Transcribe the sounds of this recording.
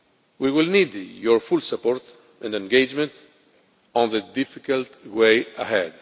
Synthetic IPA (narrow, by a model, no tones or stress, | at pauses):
wiwɪlnid̪jɔɹfulsapːɔɹt̪ | ʔɛ̃ndɛ̃nɡed͡ʒmɛ̃nt | ɔ̃nðəd̪ɪfikalt̪weɪaɦɛd̪